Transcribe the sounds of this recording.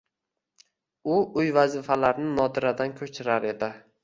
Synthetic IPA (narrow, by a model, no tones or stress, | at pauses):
ʊʊjvazɪfalaɾnɪnɒd̪ɪɾad̪ankʲʰɵt͡ʃʰɪɾaɾe̞d̪ɪ